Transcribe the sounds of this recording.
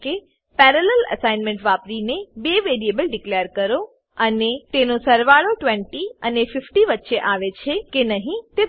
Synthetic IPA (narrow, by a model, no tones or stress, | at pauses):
ke | pɛːɾəlelɐ̰saːɪnmẽɳʈʋaːpɾinebeːʋeːɾieːbəlɖɪkleːəɾkɐɾo | ɐnet̪eɦnõsɐɾʋaːɽoʈʋẽɳʈiɐnefɪfʈiʋətːʃeʔaːʋet͡ɕʰekenɐɦĩt̪e